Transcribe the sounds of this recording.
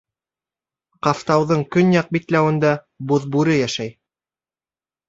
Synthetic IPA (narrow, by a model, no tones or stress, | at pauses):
qɑft̪ɑwðɤɴkɵnjɑq̚bit̪læwɘ̆nd̪ɑ | boðbuɾɘjæʃæj